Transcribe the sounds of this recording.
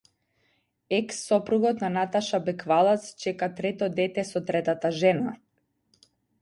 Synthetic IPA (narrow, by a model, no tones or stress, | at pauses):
ɛksːɔpɾuɡɔt̪nanat̪aʃabɛkvalˠat̪st͡ʃɛkat̪ɾɛt̪ɔd̪ɛt̪ɛsɔt̪ɾɛt̪at̪aʒɛna